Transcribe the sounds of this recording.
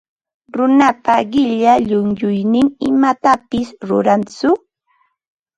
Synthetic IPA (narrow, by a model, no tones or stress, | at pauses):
ɾʊnapaɢɪʎaʎʊŋjʊjnɪŋɪmat̪apɪsɾʊ̰ɾant͡sʊ